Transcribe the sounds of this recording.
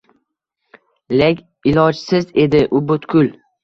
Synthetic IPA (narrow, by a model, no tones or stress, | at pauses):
lekʲ | ɪlɒd͡ʒsɪze̞d̪ɪʔʊbʊt̪kʰʲʊl